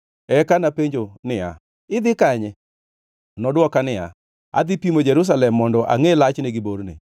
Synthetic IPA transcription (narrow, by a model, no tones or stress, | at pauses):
ɛkanapeɲd͡ʒonɪa̰ | ɪd̪ɪkaɲɛ | nɔdwɔkanɪja̰ | a̰d̪ɪpimod͡ʒɛɾus̬alɛmːɔndɔʔa̰ŋelat͡ʃneɡɪboɾnɪ̰